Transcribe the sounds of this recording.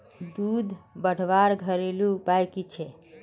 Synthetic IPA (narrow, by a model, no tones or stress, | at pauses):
d̪ud̪ʱbəɽ̤ʋaɾɡʱəɾelupajkit͡ʃʰɛ